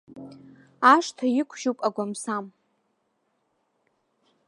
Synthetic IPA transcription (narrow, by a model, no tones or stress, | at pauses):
aʂtʰajɪkʷʰʒupʼaɡʷamsam